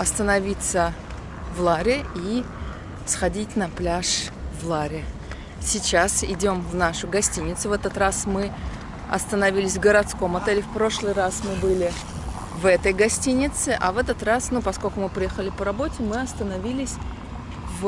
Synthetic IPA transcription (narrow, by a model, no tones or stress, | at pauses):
ɐst̪ənɐvʲit̪sə | vlˠaɾʲɪi | sxɐdʲitʲnɐplʲaʂvlˠaɾʲɪ | sʲɪt͡ɕasɪdʲo̞mvnaʂʊɡɐsʲtʲinʲɪt̪sʊvɛt̪ət̪rasmɨ | ɐ̰st̪ənɐvʲilʲɪsʲvɡəɾɐt̪sko̞mɐt̪ɛlʲɪfpɾo̞ʂlˠɨjrasmɨbɨlʲɪ | vɛt̪əjɡɐsʲtʲinʲɪt̪sɨʔɐvɛt̪ət̪rasnupɐskolʲkʊmɨpɾʲɪjɛxəlʲɪpəɾɐbo̞tʲɪmɨɐst̪ənɐvʲilʲɪsʲ | v